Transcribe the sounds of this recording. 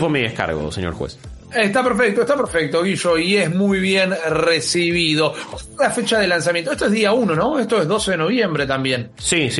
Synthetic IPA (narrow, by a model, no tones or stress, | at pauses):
pomiðehka̰ɾɣo̰seɲo̰ɾxwḛsest̪apeɾfek̚t̪oest̪apeɾfek̚t̪oɣiʃoiezmujβjenresiβiðo̞boslafet͡ʃaðelans̬amjẽnt̪oest̪oeðiaunonoest̪oezðo̞seðeno̞β̞je̞mbɾet̪ambje̞n | sis